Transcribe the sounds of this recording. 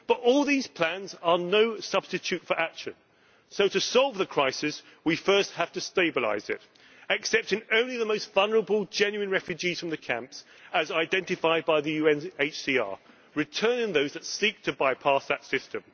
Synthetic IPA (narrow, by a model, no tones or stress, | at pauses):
b̥ʌɾɔlˠðiz̥pʰl̥æ̃nzə˞noʊsʌb̥stɨt͡ʃʰʉtfə˞ʔækʃɨ̰̃n | soʊɾɨsɔlˠvðəkʰɹ̥aɪsɪs | wifɜˑ˞st̚hæftɨsteɪbəla̰ɪzɪ̰t | ɨksɛp̚tɪ̃ŋõʊ̃nliðəmoʊstvʌlˠnə˞əbəlˠd͡ʒɛ̃njʉɨ̃nɹɛfjʉd͡ʒiz̥fɹə̃mðɨkʰæ̰̃mps | əzaɪdɛ̃ntɨfaɪd̚baɪðɨjʉɛ̃neɪt͡ʃsiːɑ̰ɹ | ɹɨtʰɜ˞nɪ̃ŋðoʊzðɨtsiˑk̚tʰɨbaɪpʰɑˑsðətsɪstə̃m